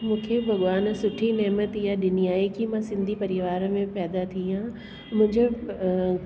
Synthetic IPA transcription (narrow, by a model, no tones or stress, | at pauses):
mũːkʰebʱɐɠʋaːnsʊʈʰinɛːmət̪ijaɗɪniaːekimãsɪ̃nd̪ʱipɐɾɪʋaːɾmẽpɛːd̪at̪ʰiã | mʊ̃ɪ̃ɲd͡ʑʱo